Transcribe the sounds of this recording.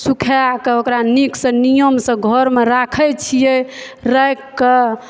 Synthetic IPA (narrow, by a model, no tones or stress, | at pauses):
sukʰeakeokɾaniksə̃nijəmsə̃ɡʱɔɾmeɾakʰɛt͡ʃʰijɛ | ɾəkːe